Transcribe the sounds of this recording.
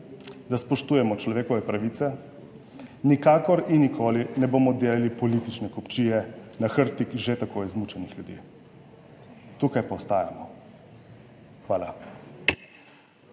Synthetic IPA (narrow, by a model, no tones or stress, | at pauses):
d̪aspɔʃt̪uːjɛmɔt͡ʃlɔʋeːkɔʋɛpɾaʋiːt̪sɛ | nikaːkɔɾinːikʰoːlinɛboːmɔd̪elalipɔlit̪it͡ʃnɛkɔpt͡ʃiːjɛnaxəɾt̪ikʒet̪akoːjzmut͡ʃɛnixljud̪ḭː | t̪ukajpaːst̪aːja̰mɔ | xʋaːla